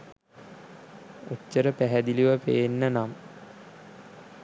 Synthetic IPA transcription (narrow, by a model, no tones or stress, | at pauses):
oːəɾəpæɦæd̪iliʋəpḛːnːənam